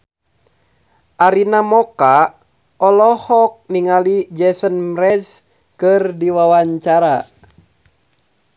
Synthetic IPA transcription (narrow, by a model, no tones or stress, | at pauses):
ʔaɾinamɔka | ɔlɔhɔk̚niŋalid͡ʒɛsənmrɛs | kɨrdiwawaɲt͡ʃaɾa